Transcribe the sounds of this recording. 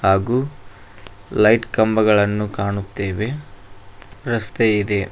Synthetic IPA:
haːɡuː | lɐjʈkɐmbɐɡɐɭɐnːukaːɳut̪ːe̞ːʋe̞ | ɾɐst̪eid̪e̞

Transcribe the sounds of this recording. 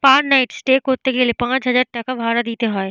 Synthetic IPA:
paːɾnaɪʈsʈeːkɦoːt̪ekeliepãːt͡ʃɦɐzaːɾʈɐkaʋʱaːɾad̪iːt̪eɦɔːe

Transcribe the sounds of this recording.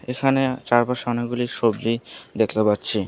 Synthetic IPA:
ekʰanet͡ɕaɾbaɾʃɔneɡuliɾʃobd̪id̪ekʰt̪epatːɕʰi

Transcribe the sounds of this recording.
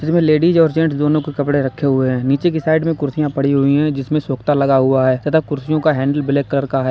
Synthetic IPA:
d͡ʒɪsmẽleːɖid͡ʒɔːɾd͡ʒɛ̃ːɳʈsd̪oːnõkekɐpɽeɾɐkʰːeɦʊeɦɛ̃ːniːt͡ʃekisaːɪɖmẽkʊɾsijãpɐɽiɦʊiɦɛ̃d͡ʒɪsmẽsoːkt̪alɐɡaɦʊaɦɛːsɐt̪akʊɾsijõkaɦɛ̃ːɳɖəlbɪleːkələɾkaɦɛː

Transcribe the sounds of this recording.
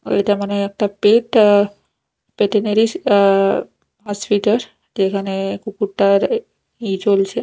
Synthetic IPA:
ḛtamənajək̚ʈ̪apeʈ | peʈeneɾi | ɦɔspiʈəɾ | d͡ʒekənekukuʈːaɾ | id͡ʒolt͡ʃʰe

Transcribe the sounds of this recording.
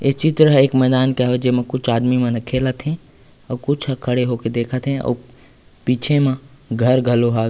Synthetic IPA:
ɪt͡ʃit̪ɾəeːkmɛːd̪aːnkaɦod͡ʒeːmẽkʊt͡ʃʰaːd̪mimẽnɐkʰeːlət̪ʰɦɛ̃ | ɔːkʊt͡ʃʰkʰɐɽeɦoːked̪eːkʰət̪ɦɛ̃ɔ̰ː | piːt͡ʃʰemãɡʱɐɾɡʱɐloɦaː

